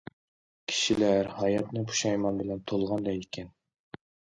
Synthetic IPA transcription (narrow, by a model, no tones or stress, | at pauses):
kʲʰi̥ʃilæɾhɑjɑt̪nɨbʰu̥ʃɑjmɑnbɪlɛnt̪ʰolˠʁɑnd̪ɑikʲʰɛn